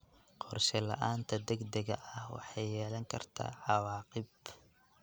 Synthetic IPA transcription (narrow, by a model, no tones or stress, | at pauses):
qʰɔrʃɛlɐ̰ʔaːnt̪ʰɐd̪ɐɡd̪ɐɣɐʔɐhwɑ̰ħɑjːɛːlɐŋkʰɐrt̪ʰa̰ːʕɑwɑːqɪb